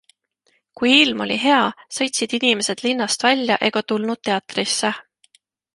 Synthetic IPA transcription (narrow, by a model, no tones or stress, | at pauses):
kujilmo̞̰lʲiɦe̞ɑsɤ̞jt̪ʲsid̪̥inʲimese̞d̪̥linːɑst̪vælʲjɑʔe̞ɡ̥ɑt̪ulnud̪̥̚t̪ːe̞ɑt̪risːe